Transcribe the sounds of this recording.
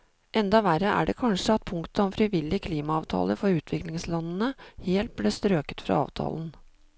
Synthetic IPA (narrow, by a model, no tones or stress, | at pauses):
ʔɛnd̪ɑʋærəʔæ̰ːɖɛkʰɑnʂəɑt̪̚pʰʊŋkt̪əɔmfɾɪʋɪlːɪkʰliːmɑɑːʋt̪ʰɑ̰ːləɾfɔɾʉːt̪ʰʋɪklɪŋslɑnːənəheːlt̪̚blɪst̪ɾøːkə̥t̪fɾɑ̰ɑ̰ːʋt̪ʰɑ̰ːlən̩